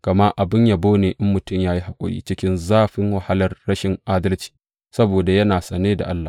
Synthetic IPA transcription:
kɐ˨mɐ˦ʔa˨bɪ˦ɲja˨boː˦neː˨ʔɪ˦mːʊ˨tʊ˦˨mjaː˦ji˦ɦa˨kʷʼʊ̰˦jḭː˦t͡ʃɪ˦kʲɪ˦nzaː˦ɸɪ˦ŋwa˨ha˦lɐ˨rːɐ˦ʃɪ˨ŋʔaː˦dɐ˦lt͡ʃi̥˨ | sɐ˦boː˨da˨jɐ˦naː˨sʼɐ˨neː˦da̰˨ʔa˦lːa˨

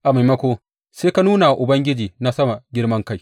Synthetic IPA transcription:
ʔa˨ma˨mɐ˦kʷoː˦ | seː˦ka˦nuː˦na˨ʔʊ˨bɐ˦ŋɡʲɪ˦d͡ʒiː˨na˦sɐ˦ma˨ɡʲɪ˦rɽmɐ˦ŋka˦j

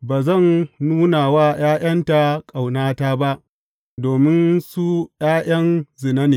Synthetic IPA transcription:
baː˨zɐ˦˨nnuː˦na˨waː˦j̰aː˦j̰ɐ˦nta˨kʼa˨wnaː˦taː˦ba˦ʔ | doː˨mɪ˦nsu˦jaː˦j̰ɐ˦nzɪ˨na˦neː˨

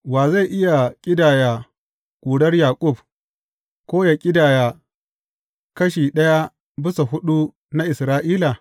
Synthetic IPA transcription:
waː˨za˦˨ʔɪ˦ja˨kʲʼɪ˦daː˨ja˨ | kʷʼuː˨ɽɐ˦rjaː˨kʷʼʊ˦˨b̚ | kʷoː˦ja˨kʲʼɪ˦daː˨ja˨ | kɐ˦ʃiː˨ɗɐ˦ja˦ | bɪ˦so˨ɦʊ˦ɗu˦ | na˦ʔɪ˨sɾaː˦ʔiː˦la˨

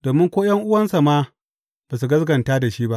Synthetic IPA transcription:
d̥oː˨mɪ˦ŋkʷoː˦jɐ˦ŋʔʊ˦wɐ˦nsa˨maː˦ | b̥aː˨s̬u˨ɡɐ˦zɡɐ˨nta˦da˨ʃiː˦ba˦ʔ

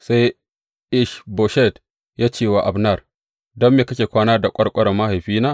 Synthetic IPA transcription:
sa˦j | ʔɪ˦ʃbo˨ʃɛ˦t | jaː˦t͡ʃeː˦˨wa˨ʔa˨bnɐ˦˨r | dɐ˦mːeː˨kɐ˦kʲeː˨kʷaː˦naː˦da˨kʷʼɐ˦ɽkʷʼɐ˦ɽɐ˨mːa˦ha˨jɸiː˦naː˦

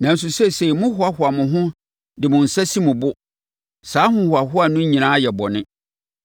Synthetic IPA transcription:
nã˨n̩˨s̬u˨sɛ˦se˨i˨mʊ̃˦hʊ˨a˦hʊ˨a˨mʊ̃˨ɦʊ̃˦ | dɪ˨mʊ̃˨n̩˨sa˦si˦mʊ̃˨bʊ˦ | saː˨˦hʊ̃˦hʊ˨a˨hʊ˦a˨nʊ̃˦ɲĩ˨nãː˦jɛ˨bɔ˨nɪ̃˦

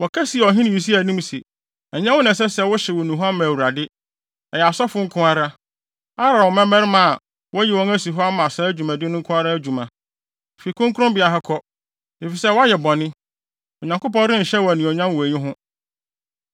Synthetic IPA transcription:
wɔ˨kʰæ˦si˨ɛ˨ɔ˨ɦɪ̃˦nɪ̃˨ji˨s̬i˦æ˨nĩ˦msi˨ | ɛ˨ɲã˦wʊ˦nã˨s̬ɛ˦sɛ˦wʊ˦ɕɛ˨wɔ˨nũ˨ɦa˦mã˨wu˨ɾa˨dɪ˦ | ɛ˨jɛ˨a˨sɔ˦fʊ˦ŋ̩˦kʰʊ̃˦a˦ɾa˦ | a˦ɾa˨wɔ˨mɛ̃˦mɛ̃˦ɾɪ˦mã˨a˨ | wɔ˦jɛ˨wɔ̃˦ŋæ˦si˨ɦɔ˦a˦mã˨sa˦æ˦d͡ʑᶣu˨mã˨dɪ˦nʊ̃˦ŋ̩˦kʰʊ̃˦a˦ɾa˦æ˦d͡ʑu˨mã˨ | fi˨kʰʊ̃˦ŋkʰʊ˦ɾʊ̃˦bɪ˨a˨ɦa˦kʰɔ˦ | e˨fi˨sɛ˦wɔ˦a˦jɛ˨bɔ̃˨nɪ̃˦ | ɔ˨ɲã˨ŋkʊ˦pɔ̃˦ɪ̃˦n̩˨ɕɛ˦wɔ˨æ˨nĩ˨ɔ˨ɲã˦m˨wɔ˨æ˨ɲĩ˦ɦʊ̃˦

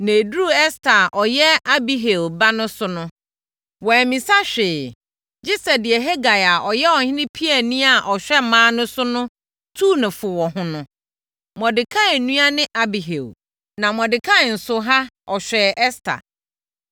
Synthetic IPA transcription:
nẽ˨du˦ɛ˦stʰa˨ʔɔ˨jɛ˦a˦bi˦ɦe˨lba˦nʊ̃˦sʊ˦nʊ̃˦ | wɔ˨mĩ˨sa˦ɕᶣeː˨ | d͡ʑi˦sɛ˨dɪ˨ɛ˨ɦe˦ɡa˨ja˨ʔɔ˨jɛ˦ɔ˨hɪ̃˦nɪ̃˦pʰi˦ɛ˨nĩ˦a˨ʔɔ˨ɕᶣɛ˦mãː˨˦nʊ̃˦sʊ˦nʊ̃˦ | tʰuː˦˨nʊ̃˨fʊ˨wɔ˨hʊ̃˦nʊ̃˦ | m˨ɔ̃˨dɪ˨kʰã˦e˨nũ˦a˦nɪ̃˦ʔa˦bi˨ɦḛ˨l | nã˨m˨ɔ̃˨dɪ˨kʰã˦˨n̩˨sʊ˨ɦa˦ɔ˨ɕᶣɛ˨ʔɛ˦stʰa̰˨

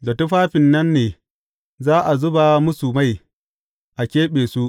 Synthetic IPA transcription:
lɐ˨tu˦ɸaː˦ɸɪ˨nːɐ˦nːeː˨ | zaː˦ʔa˨zʊ˦ba˨mʊ˦su˨ma˦˨j | ʔa˨kʲeː˦ɓeː˨su˦ʔ

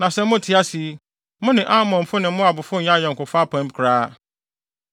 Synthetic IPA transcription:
nã˨sɛ˦m˦mʊ̃˦tʰi˨˦a˦si˨˦ | mʊ̃˦nɪ̃˨ʔa˦mɔ̃˨m̩˨fʊ˦nɪ̃˨m̩˦mʊ̃˦a˨bʊ˨fʊ˦ɲã˦jɛ˨ŋ̩˨kʊ˨fa˦pʰã˦m˨kʰɾaː˦

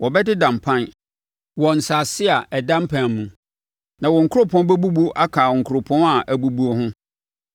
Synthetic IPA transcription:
wɔ˨bɛ˦dɪ˦dã˨m˨pʰã˦n | wɔ˨n̩˨sa˨sɪ˦a˨ɛ˨dã˦m˦pʰã˨mũ˨ | nã˨wɔ˨ŋ̩˨kʰʊ˦ʊ˦pʰɔ̃˦bɛ˦bu˦bu˦ʔa˦kʰaː˨ɔ˨ŋ̩˨kʰʊ˨ɾʊ˨pʰɔ̃˦na˨ʔæ˨bu˨bu˦o˨hʊ̃˦

